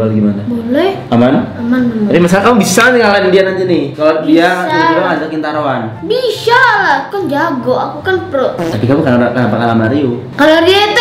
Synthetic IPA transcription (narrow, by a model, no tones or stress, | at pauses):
alɡimanabolɛh | amanaamanɾimas̬alkamʊbisaniŋalanɪndianaɲd͡ʒinɪkalodiaiaadoad͡ʒakint̪aɾoan | bisaaku̥kand͡ʒaɡoakukanprot̪apikamukəaakənapakalamaɾiu | kalodiat̪